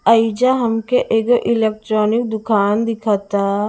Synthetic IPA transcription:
əɪd͡ʒaɦɐmkeʔekʔɪleːk̚ʈɾɔːnɪk̚d̪ʊkʰaːnd̪ɪkʰat̪aː

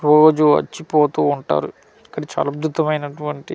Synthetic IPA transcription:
oːɡoːd͡ʒuɐ̰t͡ʃːipoːt̪uːuɳʈa̰ːɾu | ikːɐɽit͡ʃa̰ːlɐbd̪ʱut̪ɐmɐjnɐʈuʋɐɳʈi

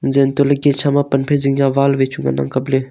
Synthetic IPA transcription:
zeːnt̪oləɡeːt͡ʃʰamãpənpʰeziŋjaʋaːlʋeːt͡ʃʰuŋɡa̰na̰ŋkəble

